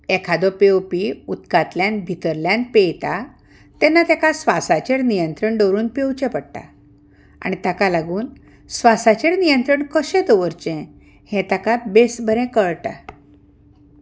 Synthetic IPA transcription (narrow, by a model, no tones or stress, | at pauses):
ɛkʰad̪ɔpewpiut̪kat̪ljãnbʱit̪əɾljanpejt̪a | t̪ɛnːat̪ɛkasʋasat͡ɕeɽnijənt̪ɾəɳɖəwɾuːnpewt͡ɕɛ̃pəɽʈa̰ | a̰ɽ̃it̪akalaɡuːn | sʋasat͡ɕeɽnijənt̪ɾəɳkəɕɛ̃t̪ɔʋəɾt͡ɕɛ̃ | hɛ̃t̪akabesbʱəɾɛ̃kəɭʈa